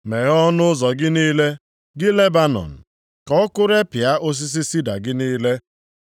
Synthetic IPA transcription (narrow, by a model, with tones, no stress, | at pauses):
me˨ɣɔ˦nʊ˦zɔ˨ɡɪ˦niː˦le˦ | ɡɪ˦le˦ba˦nɔ̰˨n̩˨ | kɔ˦kʊ˦ɾe˦pɪ˨a˦ʔo˦s̬i˦s̬i˦si˦da̰˨ɡɪ˦niː˦le˦